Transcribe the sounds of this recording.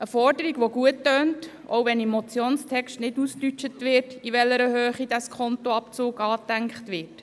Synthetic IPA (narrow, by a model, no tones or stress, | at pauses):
əfɔɾdəɾiɡʋoɡuətːøːnt | o̰wʋɛnimːɔt͡sjoːnstʰɛkʃtnɪdustyt͡ʃətʋɪːtiʋɛlːəɾəɦøːχid̥ɑskʰɔntɔɑpt͡suːɡɑːtæŋkχtʋɪːt